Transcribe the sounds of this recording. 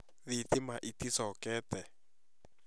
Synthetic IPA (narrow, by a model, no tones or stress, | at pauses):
ðit̪imaʔit̪isɔkɛːtɛ